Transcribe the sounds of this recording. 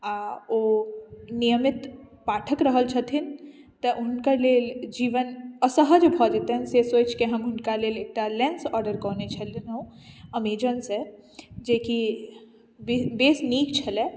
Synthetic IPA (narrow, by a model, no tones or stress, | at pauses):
aoːnijəmɪt̪paːʈʰəkɾəɦəlt͡ʃʰɐt̪ʰɪn | t̪əʔʊnkaleːld͡ʒiːʋənəsəɦəd͡ʒbʱɔːd͡ʒet̪eɦɛnsesoːt͡ʃkeɦɐmʊnkaleːleːk̚ʈalɛ̃nsɔːɾɖəɾkɔːnet͡ʃʰəlnũɐmiːd͡ʒənse | d͡ʒeːki | bbeːsniːkt͡ʃʰɐle